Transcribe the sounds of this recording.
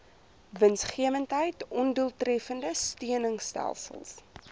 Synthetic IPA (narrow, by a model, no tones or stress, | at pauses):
vənsχiəvəntɦəjtɔnduəlˠtrɛfəndəstyənəŋstæ̰lˠsə̰lˠs